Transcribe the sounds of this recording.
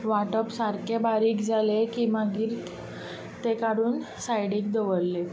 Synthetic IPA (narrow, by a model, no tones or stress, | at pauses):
ʋaʈəpsaɾkʰebaɾiːkd͡zʱalekimaɡiːɾ | t̪ekaɽuːn | sajɽiːk̚d̪əʋəlːe